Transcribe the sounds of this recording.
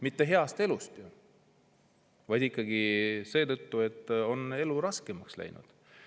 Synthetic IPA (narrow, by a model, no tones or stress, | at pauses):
mit̪ːe̞ɦe̞ɑst̪e̞lust̪ju | vɑjd̪̥ikːˑɑɡ̥ise̞ːt̪ɤt̪ːue̞t̪ːo̞ne̞luɾɑske̞mɑkslæ̰jnṵd̪̥